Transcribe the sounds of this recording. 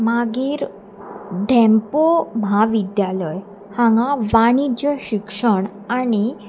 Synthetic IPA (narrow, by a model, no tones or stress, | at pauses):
maɡiːɾ | d̪ʱɛ̃mpomaʋid̪jalɔj | hãŋɡãʋaɽ̃id͡ʑəɕikʂəɳ̃ | añi